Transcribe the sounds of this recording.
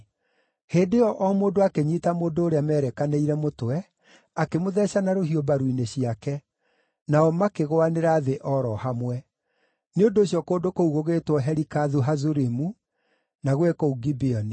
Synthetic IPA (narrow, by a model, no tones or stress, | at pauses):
heːdeɔʔɔmoːndoakeɲiːtamoːndoːɾeamɛːɾɛkaneiɾɛmotowɛ | akemoðɛɕanaɾoɦiobaɾwineɕiakɛ | naɔmakeɣoaneɾaːðeʔɔɾɔhamwɛ | neondoːɕjɔkoːdokouɣoɣeːtwɔɦɛɾikaðuɦazuɾemu | naɣwekouɡibeɔni